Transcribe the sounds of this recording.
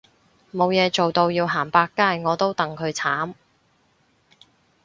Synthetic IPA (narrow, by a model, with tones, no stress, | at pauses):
mo˨˧wjɛː˨˧t͡so˨wt̪o˧wjiː˧wɦaː˨˩npaː˧kːaː˥jŋɔː˨˧t̪o˥wt̪ɐ˨ŋkʰɵ˨˧ɥt͡sʰaː˨˥m